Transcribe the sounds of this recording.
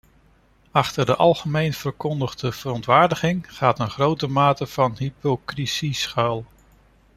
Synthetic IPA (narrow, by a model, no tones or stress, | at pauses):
ɑχtəɹdəʔɑlˠχəmejnv̥əɹkɔndəχdəv̥ərɔntʋaːɹdəχɪŋχaːtənχrowtəmaːtəv̥ɑnɦipokrisisχœlˠ